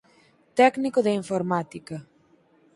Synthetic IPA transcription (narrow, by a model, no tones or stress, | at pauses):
t̪ɛknikoðeiɱfoɾmat̪ikɐ